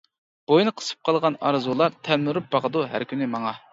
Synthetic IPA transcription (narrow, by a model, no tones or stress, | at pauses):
b̥ojnɨqʰə̥sɨ̥p̚qʰɑlˠʁɑnɑ̰ɾzulˠɑɾt̪ʰɛlmyɾup̚bɑqəd̪uɦæ̰ɾkʲʰynɪmɑŋɑ